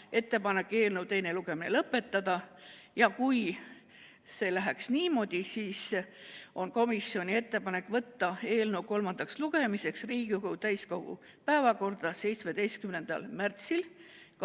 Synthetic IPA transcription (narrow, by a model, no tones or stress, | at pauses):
ʔe̞t̪ːe̞pɑne̞kːe̞ːlnewt̪e̞jne̞luɡ̥e̞mine̞̰lɤpːˑe̞t̪ːɑd̪̥ɑ | jɑkuj | se̞ːlæɦæksniːmo̞d̪̥ʲisiːs | o̞nko̞misːjio̞nʲie̞t̪ːe̞pɑne̞kːˑvɤt̪ːɑe̞ːlnewko̞lmɑnd̪̥ɑksluɡ̥e̞mise̞ksriːɡ̥iuɡut̪æjsko̞ɡ̥ṵ | pæevɑko̞rd̪̥ɑse̞jt̪sme̞d̪e̞jst̪̚kymne̞nd̪̥ɑ̰lmært̪sil